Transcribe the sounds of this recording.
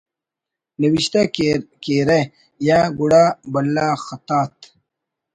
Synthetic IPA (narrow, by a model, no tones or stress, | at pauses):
nɐwiɕt̪akeɾe | jaːɡuɽaːbɐlːaaːxɐt̪aːt̪